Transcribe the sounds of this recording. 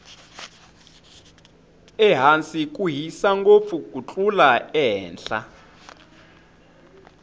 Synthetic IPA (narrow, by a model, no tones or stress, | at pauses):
ɛɦant͡sik̬ʼuɦisaŋɡop̪fukut͡ɬʼulaɛːnɬa̰